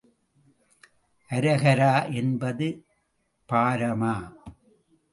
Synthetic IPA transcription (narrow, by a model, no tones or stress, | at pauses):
ʔɐɾɐɣɐɾaːʔɛnbɐðɯ | paːɾɐmaː